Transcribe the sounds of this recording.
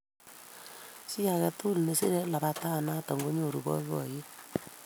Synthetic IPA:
si˦ja˨kɛ˦tu˦lne˨si˦ɾe˦la˨βa˦ta˦˨na˦tɔ˨ŋɡo˦ɲo˨ɾṵ˨bɔ̰˦βɔ̰˨je˦

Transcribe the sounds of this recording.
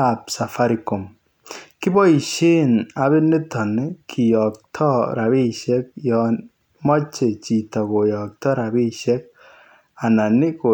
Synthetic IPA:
apsa˨fa˦ɾi˨ko˨m | kɪ˦bɔ˦i˨ʃe˦na˨βe˦nɪ˦tɔ˨nɪ˦kʰi˨jɔ˨k̚tʰɔ˦ɾa˨βi˦ʃɛ˦k̚jɔ | mɔ˦t͡ʃe˨t͡ʃi˨tɔ˨ko˨jɔ˨k̚tɔ˦ɾa˨bi˦ʃɛ˦k̚ | a˨na˨nɪ˦ko˨

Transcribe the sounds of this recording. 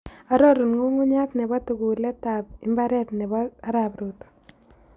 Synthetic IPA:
a˦ɾo˦ɾu˨nŋu˦ŋu˦ɲa˦t̪ne˨βa˦t̪u˨ɡu˨le˦tap̚ɪ˦mba˦ɾɛ˦t̪ne˨βaː˦ɾapɾut̪o̥˨

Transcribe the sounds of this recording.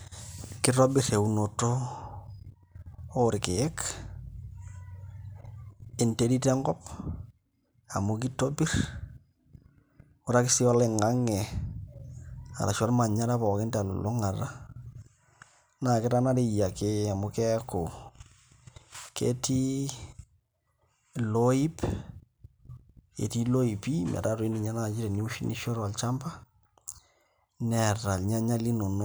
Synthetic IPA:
kɪ˦ɾo˦bɪ˨ɾe˨u˨no˨to˦ | ɾɪke˨ɛ˦k | ɪ˨nte˦di˦tɛ˦ŋɡɔ˦p | a˨mu˦ki˦to˦bi˦r | o˦ɾa˦kɪ˦sɪ˦ɔ˦le˨ŋa˦ŋɛ˨ | a̰˨la̰˨ʃwa˦ɾma˨ɲa˦ɾa˦pɔ˨ke˦nta˨lo̰˨lo˦ŋa˨ra˦ | na˨kɪ˦ɾa˦na˦ɾe˦˨ja˨ke˦a˨mʊ˨˧kɛ˦ko˨ | kḛ˦ti˦ | lo˦i˦p | ḛ˨ti˦lo˦i˨pi˦ma̰˨ɾa˦ɾwe˦ni˨ɲa˦na˦˨t͡ʃi˦ɾɛ˨ni˦u˦ʃi˦nʔi˦ʃɔ˦ɾa˨lt͡ʃa˦mba˦ | nɛ˨ɾa˨lɲa˦ɲa˦li˦no˨no˦

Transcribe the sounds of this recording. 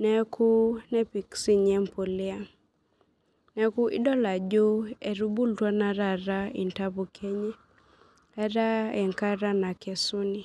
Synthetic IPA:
nɛ˦kʰu˦nɛ˦pi˨ksi˦ɲɛ˦mpo˨lɪ˦a˦ | nɛ˦ku˦ʔɪ̰˦dɔ˦la˨d͡ʒo˦e˨ɾu˦bu˦ltwa˦na˨ɾa˨ɾa˦ɪ̰˨nta˦bo˨kʰe˦ɲɛ˦ | a˦ɾa˦ɛ˨ŋka˦ɾa˦na˨kɛ˨sʊ˦ni˨

